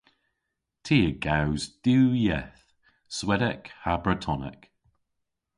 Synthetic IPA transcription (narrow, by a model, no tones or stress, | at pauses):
tʰiːəɡawzd̥uːjɛθ | swɛdəkhabɹətʰɔnə̰k